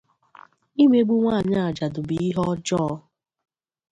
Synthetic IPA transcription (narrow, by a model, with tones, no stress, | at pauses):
i˦mʷe˦ɡ͡bu˦ŋʷa˦˨ɲa˦a˨d͡ʒa˨dʊ˨bi˨i˦ɦɔ˦d͡ʒɔː˦